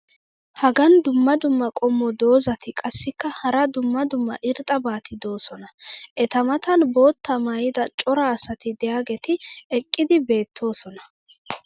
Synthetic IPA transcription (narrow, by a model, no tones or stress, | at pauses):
hɐɡɐnd̪ʊmːɐd̪ʊmːɐkʼɔmːɔd̪o̞ːzɐt̪ɪkʼɐsːɪkːɐhɐɾɐd̪ʊmːɐd̪ʊmːɐ̰ʔɪɾt̪ʼɐbaːt̪ɪd̪o̞ːsɔnɐʔɛt̪ɐmɐt̪ɐnbo̞ːt̪ːɐmajɪd̪ɐt͡ʃʼɔɾɐːsɐt̪ɪd̪ɛjaːɡɛt̪ɪɛkʼːɪd̪ɪbe̞ːt̪ʰːo̞ːsɔnɐ